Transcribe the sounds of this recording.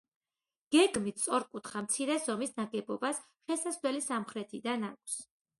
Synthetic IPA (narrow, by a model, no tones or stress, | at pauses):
ɡ̥ɛɡmit̪ʰsʼɔɾkʼut̪ʰχamt̪sʰiɾɛzɔmisnaɡɛbɔbas | χɛlˠsasd̪wɛlisamχɾɛt̪ʰid̪anakʷʰs